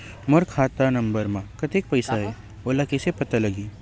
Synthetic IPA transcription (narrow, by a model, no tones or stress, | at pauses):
mɐɾkʰaːt̪anɐ̃mbəɾmãkɐt̪ek̚pɐɪsaɦɛː | oːlakesepɐt̪alɐɡiː